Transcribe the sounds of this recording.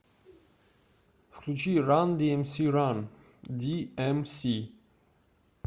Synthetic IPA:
flut͡ʃiɾand̪iɛmsiɾan | d̪iɛmsi

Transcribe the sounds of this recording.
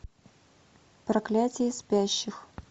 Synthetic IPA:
pɾɐklʲatʲɪjɪspʲæɕːɪx

